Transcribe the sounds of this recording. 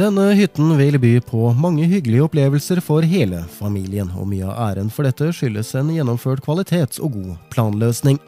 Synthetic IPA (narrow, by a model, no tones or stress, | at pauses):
d̪̥ɛnːəhʏt̪n̩ʋɪlbyːpʰɔmɑŋːəɦʏɡlɪəɔpleːʋəlsəɾfɔɾɦeːlə̰fɑmiːlɪənɔ̰myːəɑ̰ʔæːɾənfɔɖɛt̪ːəʂʏlːəsɛːnjɛnːɔmføːʈkʰʋɑlɪt̪ʰeːt̪ɔ̰ɡuːpʰlɑːnløːsnɪŋ